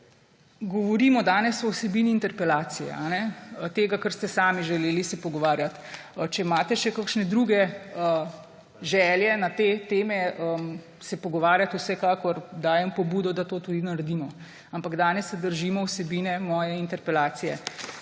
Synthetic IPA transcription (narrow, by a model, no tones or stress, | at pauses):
ɡɔʋɔɾiːmɔd̪aːnɛsɔwsɛbiːniːnt̪ɛɾpɛlaːt̪sijɛ̰anɛt̪eɡakəɾst̪ɛsaːmiʒɛleːlisɛpɔɡɔʋaːɾjat̪ | t͡ʃɛmaːt̪ɛʃɛkakʃnɛd̪ɾuɡɛə | ʒɛljɛnat̪eːt̪eːmɛəm | sɛpɔɡɔʋaːɾjat̪usɛkaːkɔɾd̪aːjɛmpɔbuːd̪ɔd̪at̪oːt̪uːd̪inaɾed̪iːmɔ | ampaɡd̪aːnɛsɛd̪əɾʒiːmɔwsɛbiːnɛmɔːjɛint̪ɛɾpɛlaːt̪sijɛ